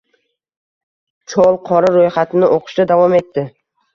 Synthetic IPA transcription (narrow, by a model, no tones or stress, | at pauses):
t͡ʃʰɒlˠqʰɒɾaɾojχat̪ʰɪnɪʔoqʰɨ̥ʃd̪ad̪avɒme̞t̪ʰːɪ